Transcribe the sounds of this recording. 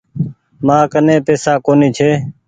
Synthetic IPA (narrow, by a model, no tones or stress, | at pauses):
mãːkənẽːpeːsaːkoːniːt͡ʃʰeː